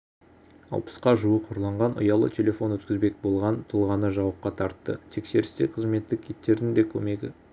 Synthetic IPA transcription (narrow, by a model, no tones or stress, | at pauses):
ɑ̰lˠpə̥sqɑʒuəqʰoɾlˠɑɴʁɑnʔʊ̰jɑlˠə̰t̪ʲʰe̞lʲe̞fo̞nwɵt̪kʲɪzbe̞k̚bo̞lˠʁɑnt̪ʰəlˠʁɑnəʒɑwəp̚qɑt̪ʰɑɾt̪ːə̰t̪ʰe̞kse̞ɾɪst̪eqʰəzme̞t̪ːɪk̚ʲʰet̪ːe̞ɾd̪ɪnd̪e̞kʲʰɵme̞ɡʲɪ